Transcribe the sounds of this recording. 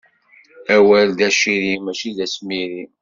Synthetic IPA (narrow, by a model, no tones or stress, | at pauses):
æwæld̪æʃiɾimæʃiðæsmiɾi